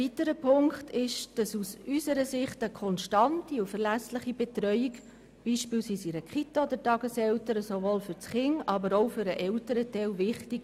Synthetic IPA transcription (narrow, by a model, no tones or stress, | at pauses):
vitəɾəpʰʊŋktʰɪʃd̥ɑsusysəɾəsɪχtəkʰɔnʃtɑntiufɛɾlæslɪχibɛtɾœʏik | b̥iːʃpiːlsiːsiɾəkχitaod̪ətɑɡəsɛwtəɾəsovoːlfʏɾt͡sχɪŋɑbəɾoʊfʏɾəʔɛltəɾətɛlvɪχtik